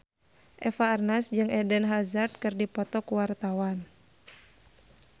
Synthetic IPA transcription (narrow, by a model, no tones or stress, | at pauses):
ʔɛfaːrnasd͡ʒɨŋɛdɛnɦazart̪̚kɨrdipɔt̪ɔkuwart̪awan